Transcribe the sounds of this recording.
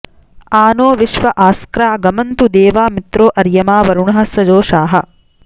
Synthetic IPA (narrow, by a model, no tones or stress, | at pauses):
aːnoːʋiʃʋɐʔaːskɾaːɡɐmɐnt̪ud̪eːʋaːmit̪ɾoːʔɐɾjɐmaːʋɐɾuɳɐɦɐsɐd͡ʒoːʃaːɦɐ